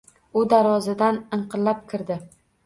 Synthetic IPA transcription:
ʊd̪aɾɒzɪd̪anɨɴqʰɨllːap̚kʲʰɪɾd̪ɪ

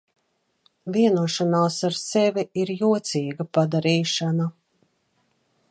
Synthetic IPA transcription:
viɛnuɔʃanaːsaɾsɛviiɾjuɔt̪siːɡapad̪aɾiːʃana

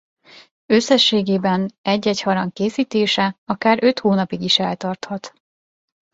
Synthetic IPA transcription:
ø̞sːɛʃːeːɡeːbɛnɛɟːɛchɒɾɒŋkeːsiːt̪eːʃɛɒkaːɾø̞t̪hoːnɒpiɡiʃɛlt̪ɒrt̪hɒt̪

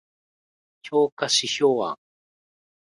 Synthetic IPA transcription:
kʲʰoːkaɕiçoːβa̰

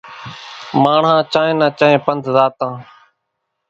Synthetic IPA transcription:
maːɳɦãːt͡ʃãːẽːnãːt͡ʃaːẽːpənd̪zaːt̪ãː

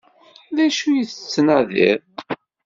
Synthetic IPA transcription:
ðæʃujiθət͡sːnæðḭɾ

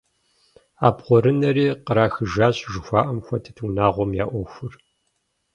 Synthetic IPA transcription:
aːbχʷɔɾɨnɐɾiːqəɾaːxɨʒaːɕʼʒɪxʷaːʔɐmxʷɐtʰɨ̥tʰwnaːʁʷɔmjaːʔʷɔxʷʊr

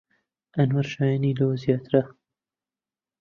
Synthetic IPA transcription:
ɐnwɐɾʃaːjaːniːlowzjɑːt̪ɾɐ

